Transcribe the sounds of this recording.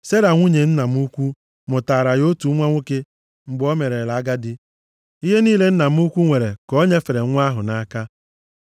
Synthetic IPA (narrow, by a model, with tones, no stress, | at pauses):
se˦ɾa˨ŋʷu˦ɲe˨n̩˦na˨m˦u˦kʷu˦ | mʊ˨ta˨ɾa˨jo˦tu˨˦ŋʷa˦ŋʷu˦ke˦ | ŋ͡m̩˨ɡ͡bo˦me˨ɾe˨la˨˦ɡa˦dɪ˦ | i˦ɦe˦niː˦le˦n̩˦na˨m̩˦u˦kʷu˦ŋʷe˨ɾe˨ko˦ɲe˦fe˨ɾe˨˦ŋʷ˦a˦ɦʊ˨na˦ka˦